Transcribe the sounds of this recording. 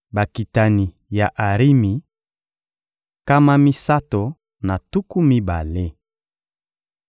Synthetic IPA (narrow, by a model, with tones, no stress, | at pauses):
ba˨ki˨ta˨ni˨ | ja˨ʔa˨ʁi˦mi˨ | ka˦ma˦mi˦sa˦to˨ | na˨tu˦ku˦mi˦ba̰˨le˦